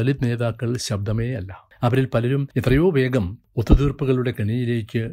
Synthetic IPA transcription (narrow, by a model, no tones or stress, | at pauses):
ɐlid̪ne̞ːðaːkːɐɭɕɐb̚d̪ʱɐme̞ːɐlːɐ | ɐʋɐɾilpɐlɐɾumet̪rɐjo̞ːʋe̞ːɡɐm | ot̪ːut̪iːrpuɣɐɭuɽe̞kɐɳijile̞ːkʲːɨ